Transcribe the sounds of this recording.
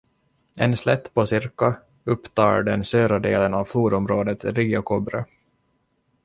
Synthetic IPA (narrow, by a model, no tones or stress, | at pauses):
ɛnslɛt̪ːpʰɔsɪɾka | ɵpːt̪ʰɑ̰ːɖɛnsøːɾad̪ḛːlənavfluːd̪ɔmɾoːd̪ət̪ɾiːakʰɔbɾø̰